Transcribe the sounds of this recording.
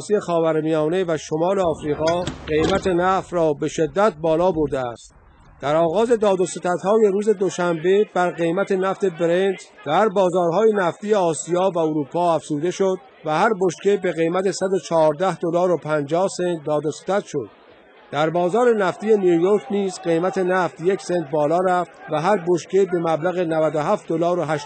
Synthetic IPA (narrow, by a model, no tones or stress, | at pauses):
sije̞xɒːvæɾmijɒːne̞væʃo̞mɒːleɒːfɾiːɣɒːɢe̞jmæt̪ʰe̞næft̪rɒːbe̞ʃed̪ːæt̪̚bɒːlɒːboɾd̪eæ̰st̪ | d̪̥æɾɒːɣɒːze̞d̪ɒːd̪oset̪æt̪hɒːje̞ɾuːze̞d̪o̞ʃæmbe̞b̥æɾɣe̞jmæt̪ʰe̞næft̪e̞beɾent̪d̪̥æɾbɒːzɒːɾɦɒːje̞næft̪ije̞ɒːsijɒːvæoɾuːpʰɒːæfz̥uːd̪e̞ʃod̪ | væhæɾboʃkʰe̞be̞ɣejmæt̪e̞sæd̪o̞t͡ʃʰɒːɾd̪æhd̪olɒːɾopʰænd͡ʒɒːhse̞nt̪̚d̪ɒːd̪ose̥t̪ʰæt̪ʃo̞d̪̥̚ | d̪̥æɾbɒːzɒːɾe̞næft̪ije̞nijujoɾkʰniːzɢe̞jmæt̪ʰe̞næft̪je̞kse̞nt̪̚bɒːlɒːɾæft̪væɦæɾboʃkʰe̞be̞mæblæɣe̞nævæd̪oɦæft̪̚d̪olɒːɾoɦæʃ